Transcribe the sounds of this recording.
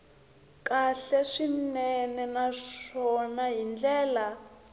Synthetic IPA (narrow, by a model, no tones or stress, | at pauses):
kaɬɛʂinɛnɛnaʂɔnaɦind͡ɮɛːla